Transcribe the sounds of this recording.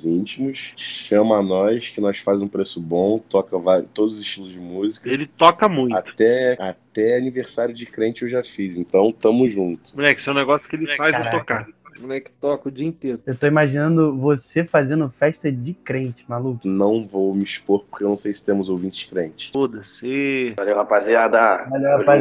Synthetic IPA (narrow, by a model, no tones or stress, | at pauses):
zĩt͡ʃimʊsʃɐ̃mɐanɔjskɪnɔsfazũpɾesʊbõw̃t̪ɔkɐvaɾʊt̪od̪ʊzʊzɪʃt͡ʃilˠʊzd͡ʒɪmuzikɐelɪt̪ɔkɐmũj̃tatt̪ɛat̪ɛaniveɾsaɾjʊd͡ʒɪkɾẽt͡ʃɪewʒafizẽnt̪ɐ̃w̃t̪ɐ̃mʊzʒũnt̪ʊ̥õɛkɪsɛ̃ũnɛɡɔsjʊ̥kɪelɪɛfajzat̪okaõɛkɪ̥t̪ɔkɐʊd͡ʒiɐĩt̪eɾʊewt̪oimaʒinɐ̃nd̪ʊvosefazẽnd̪ʊfɛʃt̪ɐd͡ʒɪkɾẽnt͡ʃɪ̥malukʊnɐ̃w̃vowmɪiʃpoɾpo̥χkewnɐ̃w̃sejsɪ̥t̪ẽmʊzowvĩnt͡ʃɪʃkɾẽnt͡ʃɪ̥fod̪ɐsĩvalewhapaziad̪aaleapa